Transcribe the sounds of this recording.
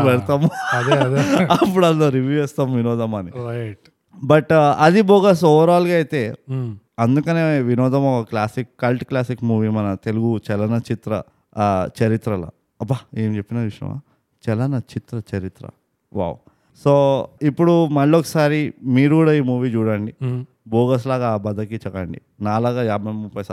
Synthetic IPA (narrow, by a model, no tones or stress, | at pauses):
ʋɐɾt̪amɐd̪ɐpːuɽɐllːoːɾiʋjuːɛːst̪amʋinɔːd̪ɐmɐni | bɐʈɐd̪ibɔːɡaːs̬ɔʋɐɾaːlɡaːjit̪e̞ː | ɐnd̪ukɐneːʋinɔːd̪ɐmɔkɐklaːsikːɐlʈklaːsikmuːʋiːmɐnɐt̪eluɡut͡ʃɛlɐnɐt͡ʃit̪ɾɐ̰ | t͡ʃɐɾit̪ɾɐla̰ | ɐbɐeːmt͡ʃepːinɐd̪ʋiʂjɐ̰ma̰ː | t͡ʃɛlɐnɐt͡ʃit̪ɾɐt͡ʃɐɾit̪ɾɐ̰ | ʋa̰ːw | soːipːuɽumɐɭːokːɐsaːɾimiːɾukuːɽaːiːmuːʋiːt͡ʃuːɽɐɳɖi | bɔːɡɐs̬laːɡabɐd̪ɐkit͡ʃɐkɐɳɖḭ | naːlaːɡaːjaːbʱɐmupːɐjsa